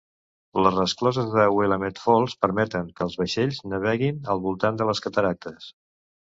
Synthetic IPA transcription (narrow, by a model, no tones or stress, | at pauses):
ləzrəsklɔzəzðəweləmet̪fɔlˠspəɾmɛt̪əŋkəːlˠzβəʃeʎznəβ̞ɛɣinəlˠβulˠt̪and̪ələskət̪əɾak̚t̪əs